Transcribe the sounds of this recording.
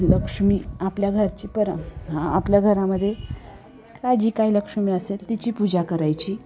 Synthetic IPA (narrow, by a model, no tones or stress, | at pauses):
ləkʂmiːapljaɡʱəɾt͡ɕiːpəɾɦãapljaɡʱəɾaməd̪ʱːje | kajd͡ʑiːkailəkʂmiːəselt̪it͡ɕiːpud͡ʑakəɾajt͡ɕiː